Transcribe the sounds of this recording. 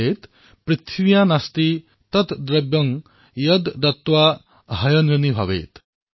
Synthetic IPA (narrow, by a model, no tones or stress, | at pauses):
eːt̪ | pɾit̪ʰwijanast̪i | t̪ʌt̪d̪ɾɐbjʌŋ | jʌd̪d̪ɐt̪wa | ɦɐjɐnɾɐnibʱɐ̰ʋḛːt̪